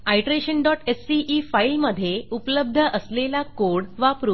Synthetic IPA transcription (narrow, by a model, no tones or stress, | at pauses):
ajʈɾeɕəɳɖɔʈesːiʔifailməd̪ʱːjeupləb̚d̪ʱəʔəslelakoɽʋapɾu